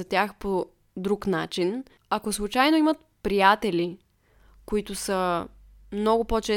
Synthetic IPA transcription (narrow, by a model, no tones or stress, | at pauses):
ɐt̪ʲjaxpo | d̪ɾuknat͡ʃin | akoslˠut͡ʃajnoimət̪̚pɾijat̪ɛli | koit̪ʊsə | mnɔɡʊpot͡ʃɛ